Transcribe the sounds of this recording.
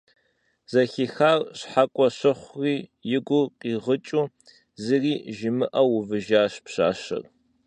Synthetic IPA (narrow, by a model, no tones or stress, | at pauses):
z̥ɐxixaːrɕħakʷʼɔɕɨχʷriːjɪɡʷʊqiːʁət͡ʃʼuː | zɨriːʒɪmɨʔɐwʊvɨʒaːɕpɕa̰ːɕɨ̰r